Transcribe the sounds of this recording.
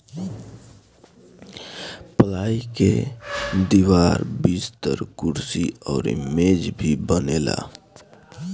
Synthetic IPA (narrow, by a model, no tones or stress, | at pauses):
pəlaːike | d̪iwaːɾbist̪ə̰ɾkʊɾsiɔːɾḭmeːd͡ʒbʱibənela̰